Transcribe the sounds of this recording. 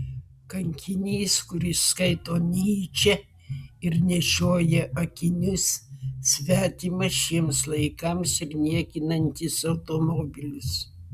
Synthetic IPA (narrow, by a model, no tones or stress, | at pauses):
kɐŋʲkʲɪnʲiːskʊɾʲɪsskɐɪt̪oːnʲiːt͡ʃʲɛ | ɪɾnʲɛʃʲoːjɛʔɐkʲɪnʲʊssʲʋʲæːt̪ʲiːmɐʃʲiɛmslˠɐɪkɐmsɪɾnʲiɛkʲɪnɐnʲt̪ʲɪsɐʊt̪oːmoːbʲɪlʲɪs